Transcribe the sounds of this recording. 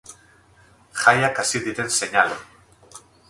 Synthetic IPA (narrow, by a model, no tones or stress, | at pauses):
xajakasiðit̪enseɲalo